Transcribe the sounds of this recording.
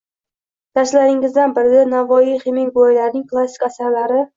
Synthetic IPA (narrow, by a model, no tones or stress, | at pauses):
d̪̥aɾslaɾɪŋɪzd̪anbɪɾɪd̪anavɒjiχɪmɪŋbɒjlaɾnɪŋklˠasi̥kʲasaɾlaɾɪ